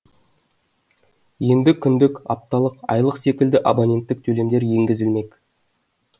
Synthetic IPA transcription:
je̞nd̪ɪkʲʰʏnd̪ɪkɑ̰p̚t̪ɑlˠəqɑ̰jlˠəqse̞kʲɪld̪ɪʔabonʲe̞nt̪ːɪk̚t̪ʰɵle̞md̪e̞ɾje̞ŋɡʲɪzɪlme̞kʲ

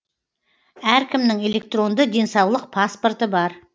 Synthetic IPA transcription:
æɾkʲɪmnɪŋe̞le̞k̚t̪ro̞nd̪əd̪e̞nsɑwlˠəq̚pʰaspo̞rt̪əbɑɾ

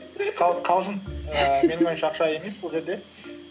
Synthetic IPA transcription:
qʰɑqʰɑlˠzənəme̞nɪŋojmʃɑqʃɑe̞me̞sbʊlˠʒe̞ɾd̪e̞

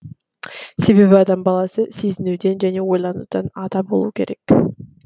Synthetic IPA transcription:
se̞βe̞βiɑd̪ɑmbɑlˠɑsɯsiznyːd̪e̞nd͡ʒæne̞o̞jlˠɑnṵːd̪̥ɑnɑd̪ɑbo̞lˠṵːke̞̰ɾe̞k

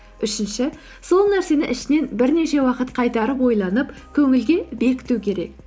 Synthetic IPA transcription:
ʏʃɪnʃɪ | so̞lˠnæɾse̞nɪʔɪʃɪne̞nbɪɾne̞ʃe̞wɑqət̪qʰɑjt̪ɑɾəp̬wo̞jlˠɑnəpkʲʰɵŋɪlɡʲe̞be̞kʲɪ̥t̪ukʲʰe̞ɾe̞̰k̚

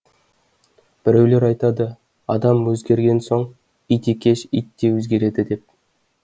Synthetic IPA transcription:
b̥ɪɾewle̞ɾɑjt̪ɑd̪ə | ɑd̪ɑmwɵzɡʲe̞ɾɡʲe̞nso̞ɴ | ijt̪ekʲe̞ʃijt̪ːewɵzɡʲe̞ɾe̞d̪ɪd̪e̞p̚

